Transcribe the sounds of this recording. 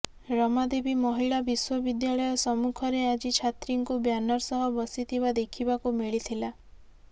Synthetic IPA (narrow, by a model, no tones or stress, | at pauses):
ɾɔmad̪ebimɔɦiɭabiswɔbid̪jaɭɔjɔsɔmukʰɔɾead͡ʒit͡ʃʰat̪ɾiŋkubjanɔɾsɔɦɔbɔsit̪ʰiβad̪ekʰibakumiɭit̪ʰila